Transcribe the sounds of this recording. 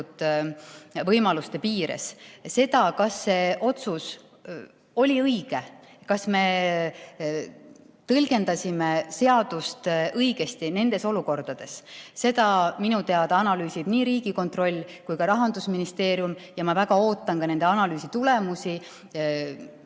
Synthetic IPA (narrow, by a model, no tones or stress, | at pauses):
t̪ | vɤjmɑlust̪e̞piːɾḛsse̞d̪̥ɑkɑsːe̞ʔo̞t̪sus | o̞lʲiɤjɡ̥e̞ | kɑsme̞ | t̪ɤlʲɡe̞nd̪ɑsʲimese̞ɑd̪̥ust̪ɤjɡ̥e̞st̪ine̞nd̪̥e̞so̞luko̞rd̪̥ɑd̪̥e̞sse̞d̪ɑminut̪e̞ɑd̪ɑɑnɑlyːsid̪̥niːɾiːɡ̥iko̞nt̪ro̞lʲːkujkɑɾɑɦɑnd̪usminist̪e̞ːɾjumjɑmɑvæɡ̥ɑo̞ːt̪ːˑɑnkɑne̞nd̪e̞ɑnɑlyːsit̪ulemusi